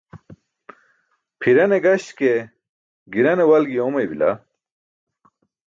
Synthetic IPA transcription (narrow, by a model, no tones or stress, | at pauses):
pʰiɾɐneɡɐɕt̪ke | ɡiɾɐnewɐlɡijomɐjbila̰